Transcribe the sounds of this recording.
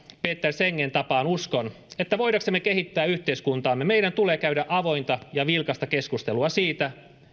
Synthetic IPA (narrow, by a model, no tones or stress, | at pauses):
peːt̪ːerseŋːent̪ɑpɑːnuskon | et̪ːæʋo̞jɾɑksemːekeɦit̪ːæːyht̪eiskunt̪ɑːmːemeiɾænt̪uleːkæyɾæʔɑʋo̞jnt̪ɑjɑʋilkɑst̪ɑkeskust̪eluɑsiːt̪æ